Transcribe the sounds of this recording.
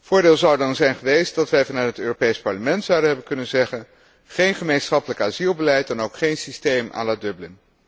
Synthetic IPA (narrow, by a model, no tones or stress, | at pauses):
vʊːɹdɪːlˠzɑwdɑnzɛjnχəʋejst̚dɑtʋɛjvɑnœtɦətøːropejspɑɹləmɛntsɑwdəɦɛbənkɵnənzɛχən | χejnχəmejnsχɑpələkaːzilˠbəlɛjt̚dɛnowkχejnsistejmʔa̰ːlaːdɵblən